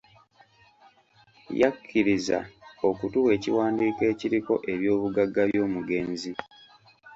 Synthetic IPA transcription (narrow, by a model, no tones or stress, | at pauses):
ja̰kʰːiɾiza̰o̞kutuwe̞ːciwaːndiːke̞ːciɾiko̞ʔe̞βjo̞ːβuɡaɡːaβjo̞ːmuɡe̞ːnzi